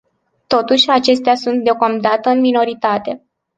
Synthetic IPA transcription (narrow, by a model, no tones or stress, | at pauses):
t̪o̞t̪uʃʲat͡ʃe̞st̪easunt̪̚d̪eo̞kamd̪at̪əɨnmino̞ɾit̪at̪e̞